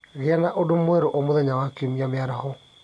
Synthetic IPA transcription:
ɣeanaʔodomwɛɾoʔomoðɛɲawakeomiameaɾahɔ

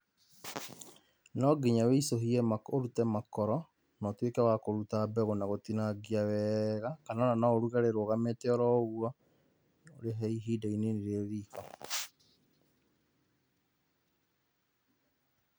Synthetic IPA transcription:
nɔɡiɲaweisoɦiɛmakoɾutɛmakɔɾɔ | nɔtwekɛwakoɾutabɛɣonaɣotinaɡiawɛɣakanananaoɾuɣaɾeɾoɣametɛɔɾɔoɣwa | oɾeɦɛiɦidaineniɾeɾiːka

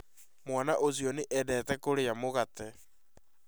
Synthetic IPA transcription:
mwanaʔozjɔneʔɛdɛtɛkoɾejamoɣatɛ

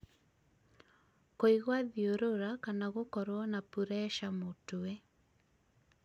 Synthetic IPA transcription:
koiɣwaðioɾoɾakanaɣokɔɾwɔnapuɾɛʃamotowe

